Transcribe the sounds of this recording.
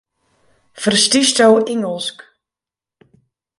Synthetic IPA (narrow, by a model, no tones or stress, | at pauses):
fərstistoweŋəlˠsk